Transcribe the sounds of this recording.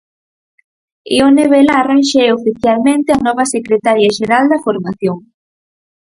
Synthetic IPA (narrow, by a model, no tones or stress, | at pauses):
ḭoneβelaːranʃeofiθjalmẽnt̪ɪanɔβɐsekɾet̪aɾjaʃeɾald̪ɐfoɾmaθjoŋ